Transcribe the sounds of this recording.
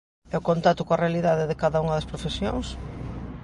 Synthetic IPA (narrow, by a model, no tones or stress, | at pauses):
ɛʊkõnt̪at̪ʊkoɐrealiðaðeðɪkaðɐuŋɐðɐspɾofesjo̰ŋs